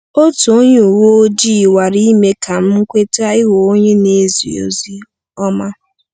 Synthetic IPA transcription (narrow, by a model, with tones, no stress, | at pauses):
o˦tu˨o˦ɲe˦u˨wo˦o˦d͡ʒi˦˨wa˨ɾi˦i˦me˦kʰa˨m̩˦m̩˦kʷe˦ta˦ɪ˦ɦo˨o˦ɲe˦ne˦zḭ˨o̰˨zi˦ | ɔ˦ma˦